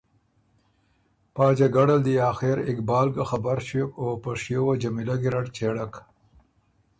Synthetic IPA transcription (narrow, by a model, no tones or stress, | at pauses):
paːd͡ʒaɡaɽald̪ijɑːxeɾɪkbɑːlɡaxabaɾʃekopaʂjowad͡ʒamilaɡiɾaʈt͡ʃeɽak